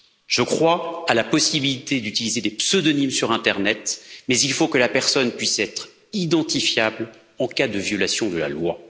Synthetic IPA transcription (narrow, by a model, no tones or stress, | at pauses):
ʒ̥əkχwaalapɔsibilit̪ed̪yt̪ilized̪epsød̪ɔnimsyʁɛ̃t̪ɛʁnɛt̪mɛzilfokəlapɛʁsɔnpɥisɛt̪χ | id̪ɑ̃t̪ifjabl | ɑ̃kad̪əvjɔlasjɔ̃d̪əla̰lwa